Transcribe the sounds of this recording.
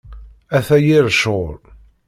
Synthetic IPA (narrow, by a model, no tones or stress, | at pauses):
æθæjiɾʃoɾ